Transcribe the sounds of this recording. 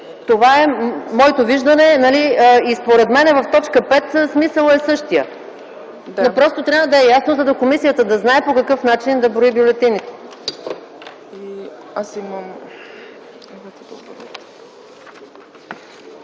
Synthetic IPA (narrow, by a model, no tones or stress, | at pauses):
t̪ovaɛmɔɛt̪oviʒd̪ɐnɛnɐliəispoɾɛt̪mɛnɛvɐft̪ɔt͡ʃkəpɛt̪smisəlˠɛsɤʃt̪ijə | d̪nɐpɾɔst̪ot̪ɾʲjavəd̪ɐɛjasnozɐd̪ɐkomisijət̪əd̪ɐznaɛpokɐkɤfnat͡ʃind̪ɐbɾoibjʊlɛt̪init̪o̥ | i | asiməm | imɐt̪ɛd̪ob